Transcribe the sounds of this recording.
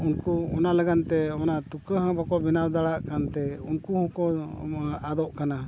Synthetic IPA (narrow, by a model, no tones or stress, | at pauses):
unkuɔnalaɡant̪ɛɔnat̪ukəɦãbakɔbinawd̪aɽaʔkant̪ɛunkuhɔ̃kɔ | ad̪ɔʔkana